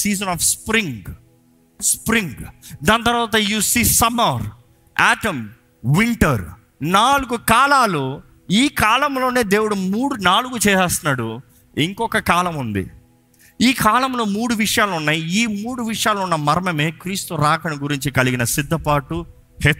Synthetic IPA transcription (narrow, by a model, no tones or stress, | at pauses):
siːzɐnaːfspɾiŋɡ | spɾiŋɡd̪aːnt̪ɐɾʋaːt̪̬ɐjuːsiːsɐmɐɾ | aːʈɐm | ʋiɳʈɐɾ | naːluɡukaːlaːloː | iːkaːlɐmlo̞ːne̞ːd̪e̞ːwuɽumuːɽunaːluɡut͡ʃɛːaːst̪unaːɽu | iŋkɔkːɐkaːlɐmund̪ḭ | iːkʰaːlɐmlo̞ːmuːɽuʋiʂɐjaːlunːaːjiiːmuːɽuʋiʂɐjaːlunːɐmɐɾɐmɐme̞ːkɾiːst̪uɾaːkɐnɐɡuɾiɲt͡ʃikɐliɡinɐsid̪ʱːɐpaːʈu | hɛ